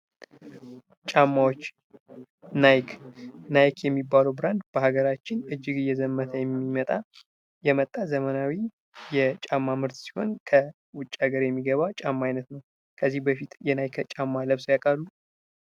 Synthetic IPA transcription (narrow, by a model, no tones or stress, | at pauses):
t͡ʃʼamːawot͡ʃː | najkʰnajkjɛmːibːaləwbɾand̪bəɦaɡəɾat͡ʃːɪnɨd͡ʒːɪɡɨjɛzəmːət̪ʰəjɛmːimət̪ʼa | jɛmət̪ʼːazəmənawi | jɛt͡ʃʼamːamɨɾt̪si̥ho̞̰nkʰə | wʊt͡ʃʼːaɡəɾjɛmːiɡəβawt͡ʃʼamːaajnət̪nəw | kʰəzːihbəfit̪jɛnajkʰət͡ʃʼamːaləβsojakʼalːu